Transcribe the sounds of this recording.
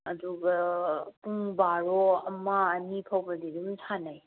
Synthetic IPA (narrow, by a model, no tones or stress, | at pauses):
ɐduɡɐpuŋbaɾɔɐmaːnipʰawbɐdidumtʰanaj